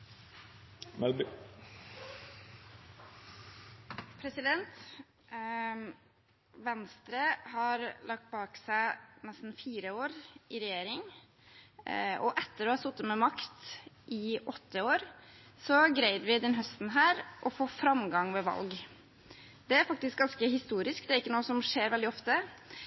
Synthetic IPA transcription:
mɛ | pʰɾɛsɪd̪ɛnt̪ | ʋɛnst̪ɾəhɑɾlʔɑk̚t̪̚bɑːksæɪnɛst̪n̩fiːɾəoːɾʔɪɾɛjeːɾɪŋ | ʔɔʔɛt̪ːəɾɔhɑsʊt̪ːət̪mɛmɑkt̪ʔɪʔɔt̪ːəoːɾ | sɔɡɾæɪd̪ʋɪd̪ɛnɦœst̪nɦæːɾʔɔfoːfɾɑmɡɑŋʋɛʋɑ̰lɡ | d̪ɛæɾfɑk̚t̪ɪsk̚ɡɑnskəhɪst̪uːɾɪskd̪ɛæɾɪkːənuːəsɔmʂeːɾʋɛld̪ɪɔft̪ə

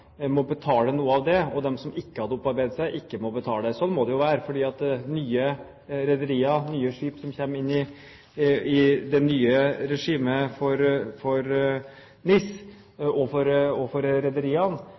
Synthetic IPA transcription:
mɔbət̪ʰɑːlənuːəɑʋd̪ɛɔd̪ɛmsɔmɪkːəhɑd̪əɔpːɑɾbæɪd̪əsæɪʔɪkːəmɔbət̪ʰɑːləd̪ɛsɔnmɔd̪ɛjʊʋæːɾəfɔɖiːɑt̪nyːə | ɾɛd̪əɾiːɑnyːəʂiːpsɔmçɛmːɪnːɪ | ɪd̪ɛnyːəɾɛʂiːməfɔɾfɔɾ | nɪs | ɔfɔɾɔfɔɾɾɛd̪əɾiːɑn

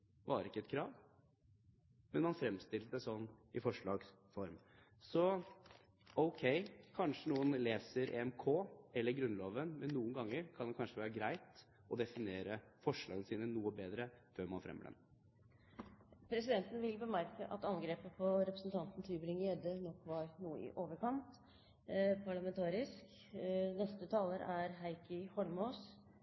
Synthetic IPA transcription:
bɑ̰ːɾəɪkːəɛt̪kʰɾɑːʋ | mɛnmɑnfɾɛmst̪ɪlt̪əd̪ɛsɔnːɪfɔʂɭɑːɡs | fɔɾm | sɔ | ɔʊkʰɛɪkʰɑnʂənuːənleːsəɾʔɛ̰ɛmkʰoːɛlːəɾɡɾʉnloːʋənmɛnːuːənɡɑŋːəɾkʰɑnd̪ɛkʰɑnʂəʋæːɾəɡɾæɪt̪ | ʔɔd̪ɛfɪneːɾəfɔʂɭɑ̰ːɡənəsiːnənuːəbeːd̪ɾəføːɾmɑnfɾɛ̰mːə̰lɛ̰n | pʰɾɛsɪd̪ɛnt̪n̩ʋɪlbəmæɾkəʔɑ̰t̪ɑnɡɾeːpəpʰɔɾɛpɾəsn̩t̪ʰɑnt̪n̩t̪ʰɪlbɾɪŋɛd̪ənɔkːʋɑɾnuːəɪ̰ʔoːʋəɾkɑnt̪ | pʰɑɭɑmɛnt̪ʰɑːɾɪsk | nɛst̪ət̪ʰɑːləɾæɾɦæɪkəhɔlmoːs

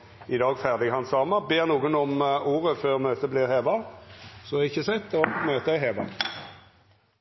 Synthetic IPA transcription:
ɪd̪ɑːɡfæʁd̪ɪɡhɑnsɑːmɑbeːʁnuːɡənɔmuːʁəføːʁmøːt̪əbliːʁheːʋɑsɔɪçəsɛt̪ːɔmøːt̪əæɪɦeːʋɑ̰

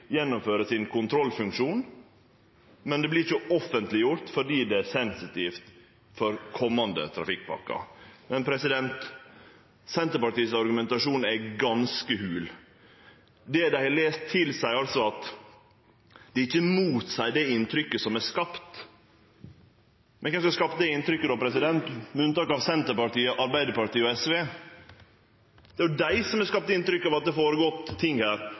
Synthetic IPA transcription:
jɛnːʊmføːɾəsɪnkʊnt̪ʰɾɔlfʉŋkʂuːn | mɛnd̪ɛblɪɾçʊɔfənt̪lɪjʊɾt̪fɔɖiːd̪ɛæsɛnsɪt̪ʰift̪ | fɔɾkʰɔmːɑnd̪ə̰t̪ʰɾɑ̰fɪk̚ːpʰɑ̰kːɑ̰mɛnpʰɾɛsɪd̪ɛnt̪ | sɛnt̪əɾpɑʈiːsɑɾɡʉmɛnt̪ɑʂuːnæɡɑnskəhʉːl | d̪ɛd̪æɪhɑleːst̪ʰːɪlsæɪɑlsɔɑt̪ | d̪̥ɛɪçːəmuːt̪sæɪd̪ɛɪnt̪ʰɾʏkːəsɔmæskɑpt̪ | mɛnkʰɛskɑskɑpt̪d̪ɛɪnt̪ɾʏkːəd̪ɔpʰɾɛsɪd̪ɛnt̪mɛʉnt̪ɑːkɑʋsɛnt̪əɾpɑʈiːəʔɑɾbæɪd̪əɾpɑʈiːɔɛsʋeː | d̪̥ɛæjʊd̪æɪsɔmæskɑp̚t̪ɪnt̪ɾʏkːɑʋɑt̪̚d̪ɛfoːɾəɡɔt̪ʰːɪŋːhæːɾ

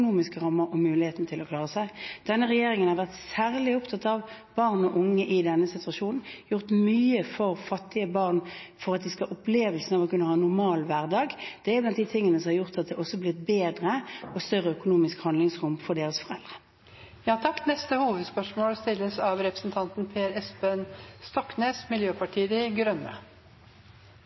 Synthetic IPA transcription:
nuːmɪskəʁɑmːəʁɔmʉːlɪheːt̪nət̪ʰɪlɔkʰlɑːʁəsæɪd̪̥ɛnːəʁɛjeːʁɪŋənhɑʁʋæʁt̪sæːʁlɪʊpt̪ʰɑt̪ɑʋb̥ɑʁnɔʔʊŋːəʔɪd̪ɛnːəsɪt̪ʉɑʃuːnn̩jʊʁt̪myːəfɔʁfɑt̪ːɪəbɑʁnfɔʁɑt̪̚d̪ɪskɑɑʔʊpleːʋəlsn̩ɑʋɔkʉnːəhɑːɛnːʊʁmɑːlʋæʁd̪ɑːɡd̪̥ɛæɾlɑnd̪iːt̪ʰɪŋːənəsɔmhɑʁjʊʁt̪ɑt̪̚d̪ɛɔsːɔblɪt̪̚beːd̪ʁəɔst̪œʁːəœkʊnuːmɪskhɑnd̪lɪŋsʁʊmfɔɖeːʁəsfɔʁɛld̪ʁə̥ | jɑːt̪ʰɑkːnɛst̪əhuːʋəd̪spœʂmoːlst̪ɪlːəsɑʋɾɛpɾəsn̩t̪ʰɑnt̪n̩pʰeːɾɛspənst̪ɔkneːsmɪljøːpʰɑʈʰiːd̪ɪɡɾœnːə̰

